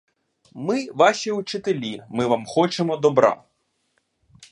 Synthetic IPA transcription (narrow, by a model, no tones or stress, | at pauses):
mɪʋɑʃʲiut͡ʃɪt̪elʲimɪʋamxɔt͡ʃemɔd̪ɔbɾɑ̰